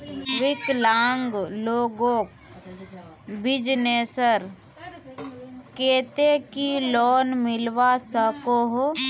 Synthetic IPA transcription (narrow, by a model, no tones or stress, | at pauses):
ʋɪklaːŋɡloːɡoːk̚ | bɪd͡ʒneːsəɾ | keːt̪ekilɔːnmɪlʋasəkoɦo